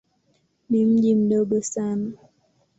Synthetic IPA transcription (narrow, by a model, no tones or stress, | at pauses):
nim̩ʄim̩ɗɔɠɔsana